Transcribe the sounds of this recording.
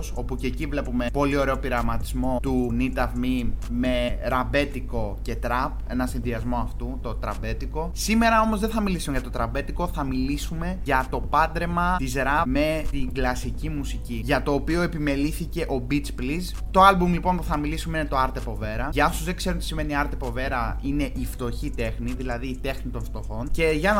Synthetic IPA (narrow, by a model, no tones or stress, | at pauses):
so̞pucecivle̞pume̞po̞lio̞ɾe̞o̞piɾɐvmɐt̪izmo̞t̪unit̪ɐvmime̞ɾɐbe̞t̪iko̞ce̞t̪ɾɐpe̞̰nɐsinðiɐzmo̞ɐft̪ut̪o̞t̪ɾɐ̰be̞t̪iko̞sime̞ɾɐo̞mozðeθɐmilisumʝɐt̪o̞t̪ɾɐbe̞t̪iko̞θɐmilisume̞ʝɐt̪o̞pɐnd̪ɾe̞mɐt̪izɾɐme̞t̪iɡlɐsicimusiciʝɐt̪o̞ːpio̞e̞pime̞liθice̞ʔo̞bit͡spliz | t̪o̞ɐlbumlipo̞npuθɐmilisumeinet̪o̞ɐɾt̪e̞po̞ve̞ɾɐʝɐosuzðekse̞ɾunt̪i̥sime̞niɐɾt̪e̞po̞ve̞ɾɐine̞ʔift̪o̞çit̪e̞xniðilɐðiːt̪e̞xnit̪o̞nft̪o̞xo̞nce̞ʝɐn